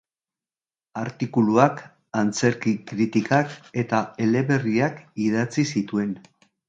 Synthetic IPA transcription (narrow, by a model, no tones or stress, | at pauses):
aɾt̪ikuluak | ant͡se̞ɾkikɾit̪ikake̞t̪ae̞le̞βe̞riakiðat͡sisit̪ue̞n